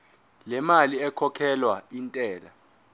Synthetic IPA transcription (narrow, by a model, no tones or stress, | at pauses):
lɛmaliɛkʰɔkʰɛlwaintʼɛːla̰